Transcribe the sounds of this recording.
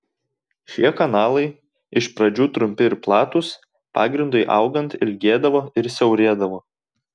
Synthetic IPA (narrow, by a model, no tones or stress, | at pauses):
ʃʲiɛkɐnɑːlˠɐɪ | ɪʃpɾɐd͡ʒʲuːt̪ɾʊmʲpʲɪɪɾplˠɑːt̪ʊs | pɑ̰ːɡɾʲɪnd̪ʊɪʔɑ̰ʊɡɐnt̪ɪlʲɡʲeːd̪ɐʋoːɪɾsʲɛʊɾʲeːd̪ɐʋoː